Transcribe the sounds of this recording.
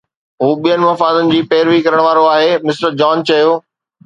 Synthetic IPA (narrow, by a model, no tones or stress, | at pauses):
ɦuːɓiənɪ̆mɐfaːd̪ənɪ̆d͡ʑiːpɛːɪɾʋikɐɾəɽ̃ʋaːɾoaːɦemɪsʈəd͡ʑaːnt͡ɕɐjoː